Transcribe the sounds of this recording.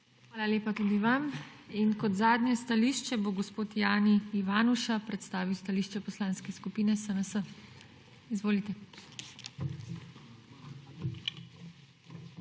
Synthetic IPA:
xʋaːlaleːpat̪uːd̪iʋam | inkɔt̪zaːd̪njɛst̪aliːʃt͡ʃɛboɡɔspoːt̪jaːniːʋaːnuʃapɾɛt̪st̪aːʋiwst̪aliːʃt͡ʃɛpɔslãːnskɛskupiːnɛsənəsə | izʋoːlit̪ɛ

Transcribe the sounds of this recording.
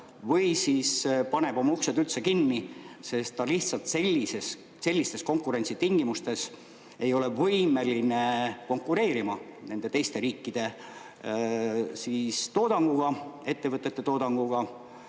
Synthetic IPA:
vɤjsiːspɑne̞b̥o̞mɑuksed̪ylt̪se̞kinːise̞st̪ːɑliht̪sɑlt̪se̞lʲːises | se̞lʲːist̪e̞sko̞ŋkːˑuɾe̞nʲsit̪iŋɡ̥imust̪e̞s | e̞jo̞le̞vɤjme̞line̞ko̞ŋkːˑuɾe̞ːɾimɑne̞nd̪̥e̞t̪e̞jst̪e̞ɾiːkːid̪̥e̞ | sist̪o̞ːd̪̥ɑŋɡ̥uɡ̥ɑe̞t̪ːe̞vɤt̪ːˑet̪ːe̞t̪o̞ːd̪̥ɑŋɡ̥uɡ̥ɑ

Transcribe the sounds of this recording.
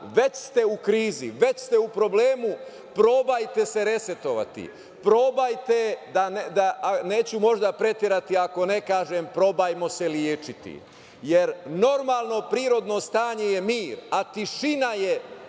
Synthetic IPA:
ʋe̞t͡ɕst̪e̞ukɾiːzḭʋe̞t͡ɕst̪eupɾo̞bleːmu | pɾo̞bajt̪e̞se̞ɾe̞se̞t̪o̞ʋa̰t̪ḭ | pɾo̞bajt̪ed̪aned̪ane̞ːt͡ɕumo̞ʒd̪apɾe̞t̪eɾat̪iako̞ne̞kaːʒeːmpɾo̞bajmo̞se̞ljeːt͡ʃit̪ḭ | jeɾno̞ɾmaːlˠno̞pɾiːɾo̞d̪no̞st̪aːɲe̞jemiːɾat̪iʃinaje̞

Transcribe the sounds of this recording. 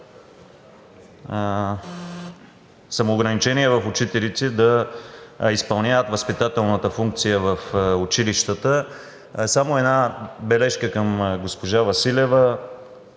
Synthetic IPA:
sɐmoːɡɾɐnit͡ʃɛniɛvɐfʊt͡ʃit̪ɛlit̪sɛd̪ɐ | ispɐlˠnʲaət̪vəspit̪at̪ɛlˠnət̪əfuŋk̚t̪sijəvəfut͡ʃiliʃt̪ət̪ə | samoɛd̪nabɛlɛʃkəkɐmɡospoʒavɐsilʲɛvə

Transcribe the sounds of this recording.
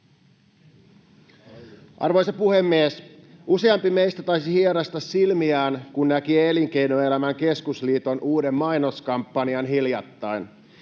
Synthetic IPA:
ʔɑ̰rʋo̞jsɑpuhe̞mːiesuse̞ɑmpime̞jst̪æt̪ɑjsihieɾɑst̪ɑsːilmiæːnkunnækieliŋke̞jnoe̞læmæŋke̞skusliːt̪o̞nʔuːde̞mːɑjno̞skɑmpːɑniɑnɦiljɑt̪ːɑjn

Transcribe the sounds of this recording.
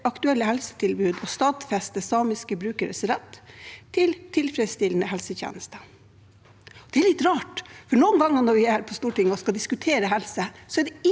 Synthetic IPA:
ɑkt̪ʉɛlːəhɛlsə̥t̪ʰɪlbʉːd̪ɔst̪ɑːd̪fɛst̪əsɑːmɪskəbɾʉːkəɾəsɾɛt̪ʰːɪlt̪ʰɪlfɾɛd̪st̪ɪlnəhɛlsəçjḛːnəst̪ə | ɔd̪ɛæɭɪt̪ɾɑːʈfɔɳuːnɡɑŋːɑnɔɾʋɪæɾpʰɔst̪uːʈɪŋːɔskɑd̪ɪskʉt̪ʰeːɾəɦɛlsəsɔæɖɛɪ

